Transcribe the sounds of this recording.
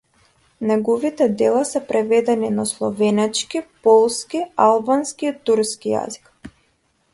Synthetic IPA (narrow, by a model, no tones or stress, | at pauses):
nɛɡɔvit̪ɛd̪ɛlˠasɛpɾɛvɛd̪ɛninaslˠɔvɛnɛt͡ʃkipɔlˠskialˠbanskiːt̪uɾskija̰zi̥k